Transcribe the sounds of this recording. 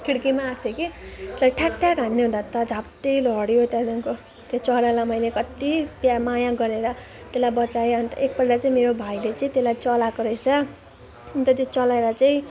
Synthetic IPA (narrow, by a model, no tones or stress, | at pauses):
kʰiɽkimaːɡt̪ʰjokesʌʈʰaʈːakanːeɦũnd̪at̪ʌd͡zʱapʈejlʌɽjot̪anaŋko | t̪jot͡sʌɽalamʌjlekʌt̪ipjamajãɡʌɾeɾʌ | t̪elajbʌt͡saeʌnt̪ʌ̰ʔek̚bʌɽɽat͡saĩmeɾobʱajlet͡saĩt̪elajt͡sʌlakoɾʌjt͡sʰʌ | nt̪ʌt̪jot͡sʌlaeɾʌt͡saĩ